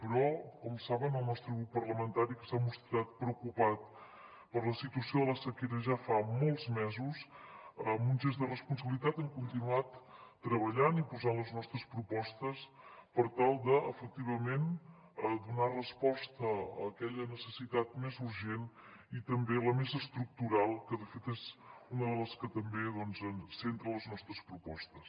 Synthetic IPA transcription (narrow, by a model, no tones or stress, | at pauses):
pəɾɔkɔmsaβənəlˠnɔst̪ɾəɣɾupːərləmənt̪aɾikəsamust̪ɾat̪̚pɾəwkupat̪̚ | pəɾləsit̪uəsioðələsəkeɾəʒafamɔlˠzmɛzusəmunʲʒezd̪ərəspuns̬əβilit̪at̪əŋkunt̪inuat̪ː | ɾəβ̞əʎanipuzanləznɔst̪ɾəspɾupɔst̪əs | pəɾt̪alˠd̪əəfək̚t̪iβ̞əmen | əd̪unarəspɔst̪əə̰kɛʎənəsəsit̪at̪mezuɾʒen | it̪əmbeləmezəst̪ɾuk̚t̪uɾalˠkəðəfet̪ezunəðələskət̪əmbeðɔnzənsent̪ɾələznɔst̪ɾəspɾupɔst̪əs